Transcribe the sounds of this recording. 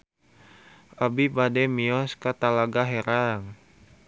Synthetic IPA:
ʔabibadɛmiɔskat̪alaɡaɦɛɾaŋ

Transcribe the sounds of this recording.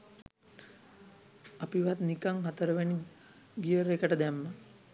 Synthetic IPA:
apiʋat̪nikaŋɦat̪əɾəʋeni | ɡijəɾekəʈəd̪æmːə

